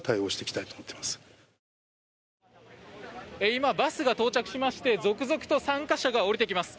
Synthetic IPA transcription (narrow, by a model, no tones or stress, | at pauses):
t̪aioːɕi̥t̪e̞kʲi̥t̪ait̪oːmot̪ːemasɨ̥ | eimabasɨɡat̪o̞ːt͡ɕakɯ̟̥ɕimaɕi̥t̪e̞zo̞kɯ̟zo̞kɯ̟̥t̪o̞sãŋkaɕaɡao̞ɾit̪e̞kʲimasɨ̥